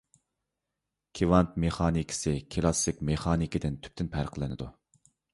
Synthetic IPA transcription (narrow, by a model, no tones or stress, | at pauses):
kʲʰivɑnt̪meχɑːnikʰʲɪ̥sɪkʲʰilˠɑsɪkʲmeχɑːnikʲid̪ɪnt̪ʰy̥p̚t̪ʰɪnpʰæɾqʰlˠɪnɪ̰d̪u